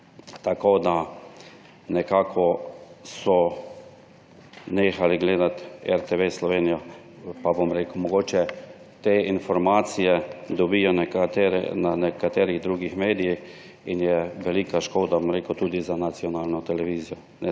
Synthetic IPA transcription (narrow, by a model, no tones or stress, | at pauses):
t̪akoːd̪a | nɛkaːkʰɔsɔ | neːxaliɡleːd̪at̪ɛɾt̪eʋeslɔʋeːnijɔ | pabomɾeːkəʊmɔɡoːt͡ʃɛ | t̪eːinfɔɾmaːt̪sijɛd̪ɔbijɔnt̪ːɾɛ̰nanɛkat̪eːɾiɣd̪ɾuːɡixmeːd̪ijix | injɛʋɛlikaʃkoːd̪abomɾeːkəwt̪uːd̪izanat̪sijɔnaːlnɔt̪ɛlɛʋiːzijɔ | nɛ